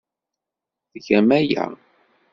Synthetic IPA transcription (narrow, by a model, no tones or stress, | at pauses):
θʝæmæjæ̰